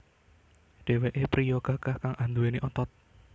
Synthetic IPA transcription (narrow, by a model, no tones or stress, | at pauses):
ɖ̥e̤weʔepɾijɔɡ̥a̤ɡ̥ahkaŋʔand̪ueneʔɔt̪ɔt̪̚